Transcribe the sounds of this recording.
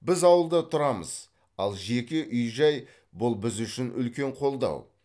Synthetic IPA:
bɪzɑwəlˠd̪ət̪ʰʊɾɑmə̰z̥ | ɑlˠʒe̞kʲeʔʏjʒɑj | bʊlˠbɪzʏʃɪnʔʏ̰lkʲe̞ɴqʰo̞lˠd̪ɑ̰w

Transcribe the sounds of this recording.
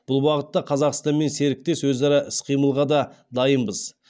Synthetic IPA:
b̥ʊlˠbɑqət̪ːɑqʰɑzɑqst̪ɑnme̞nse̞ɾɪk̚t̪e̞swɵzɑɾɑʔɪsqʰijməlˠʁɑd̪ɑ | d̪ɑjəmbəz

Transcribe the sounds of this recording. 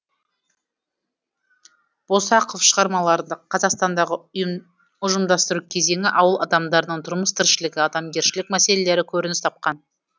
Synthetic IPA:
b̥o̞sɑqofʃəʁɑɾmɑlˠɑɾd̪əqʰːɑzɑqst̪ɑnd̪ɑʁəʊ | ʊʒəmd̪ɑst̪əɾukʲʰe̞ze̞ŋʲɪʔɑwəlˠʔɑd̪ɑmd̪ɑɾənəɴt̪ʰʊɾməst̪ʰɪɾʃɪlɪɡʲɪɑd̪ɑmɡʲe̞ɾʃɪlɪkmæse̞lele̞ɾɪkʲʰɵɾɪnɪst̪ʰɑp̚qɑn

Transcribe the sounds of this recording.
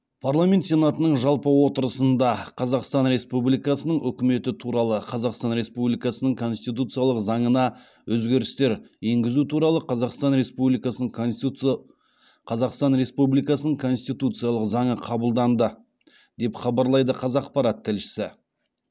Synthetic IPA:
pʰaɾlˠamʲe̞nt̪se̞nɑt̪ənəɴʒɑlˠpəwo̞t̪əɾəsənd̪ɑqʰɑzɑqst̪ɑnɾe̞spublijkɑsənəɴʏkʲɪme̞t̪ɪt̪ʰuɾɑlˠəqʰɑzɑqst̪ɑnɾe̞spublijkɑsənəɴkʰo̞nst̪it̪̬ut̪sɨjɑlˠəqzɑɴənɑ | wɵzɡʲe̞ɾɪst̪e̞ɾje̞ŋɡʲɪzut̪ʰuɾɑlˠəqʰɑzɑqst̪ɑnɾe̞spublijkɑsənəɴ | qʰɑzɑqst̪ɑnɾe̞spublijkɑsənəɴkʰo̞nst̪ijt̪ut̪sɨjɑlˠəqzɑɴəqʰɑbəlˠd̪ɑnd̪ə | d̪̥e̞pχɑbɑɾlˠɑjd̪əqʰɑzɑqpɑɾɑt̪ʰːɪlʃɪ̥sɪ

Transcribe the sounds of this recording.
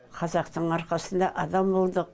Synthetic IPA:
qʰɑzɑqt̪əɴɑɾqɑsənd̪ɑʔɑd̪ɑmbolˠd̪əq̚

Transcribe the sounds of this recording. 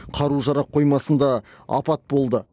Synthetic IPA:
qʰɑɾuʒɑɾɑp̚qʰo̞jmɑsənd̪ɑɑ̰pɑt̪̚bo̞lˠd̪ə

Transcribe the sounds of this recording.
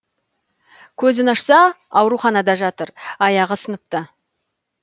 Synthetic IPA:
kʲʰɵzɪnɑʃsɑ | ɑwɾuχɑnɑd̪ɑʒɑt̪əɾɑjɑʁəsənəp̚t̪ə

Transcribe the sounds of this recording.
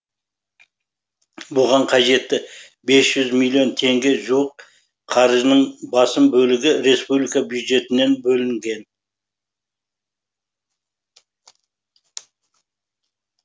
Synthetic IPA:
bʊʁɑɴqʰɑʒe̞t̪ːɪ | be̞sʒ̥ʏzmilʲːio̞nt̪ʰe̞ŋɡʲe̞ʒuwəq | qʰɑɾʒənəɴbɑsəmbɵlɪɡʲɪɾe̞spublijkabjud̪ʒe̞t̪ɪne̞nbɵlɪŋɡʲe̞n

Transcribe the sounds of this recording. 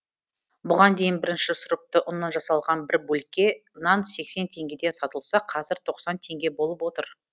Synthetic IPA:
bʊʁɑnd̪e̞jɪnbɪɾɪnʃɪsʊɾʊp̚t̪əʔʊnɑnʒɑsɑlˠʁɑnbɪɾbɵlkʲːe̞ | nɑnse̞kse̞nt̪ʰe̞ŋɡʲe̞d̪e̞nsɑt̪əlˠsɑqʰɑzɪɾt̪ʰo̞qsɑnt̪ʰe̞ŋɡʲe̞bo̞lˠəpwo̞t̪əɾ

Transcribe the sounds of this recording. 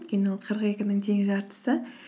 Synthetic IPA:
t̪kʲe̞nɪwo̞lˠqʰəɾəqe̞kʲɪnɪŋt̪ʰe̞ŋɪʒɑɾt̪ə̥sə

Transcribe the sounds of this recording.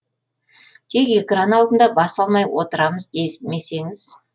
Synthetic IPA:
t̪ʰe̞ke̞kranɑlˠd̪ənd̪ɑbɑsɑlˠmɑjwo̰t̪əɾɑməzd̪eme̞se̞ŋɪz̥

